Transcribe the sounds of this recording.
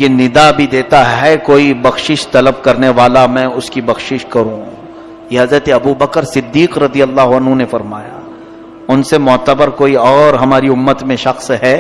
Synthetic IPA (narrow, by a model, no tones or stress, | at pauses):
jenɪd̪abʱid̪eːt̪aɦɛkoːibɐxʃɪʃt̪ɐləb̚kɐɾneʋaːlamɛ̃ːʊskibɐxʃɪʃkɐɾũ | jeɦɐzɾət̪eɐbubɐkəɾsɪd̪ːiːqɾɐd̪ijəlːaːɦʊɐnɦũnefɐɾmaːja | ʊnsemɔːt̪əbəɾkoːiɔːɾɦɐmaːɾiʊmːət̪mẽʃɐxsɦɛː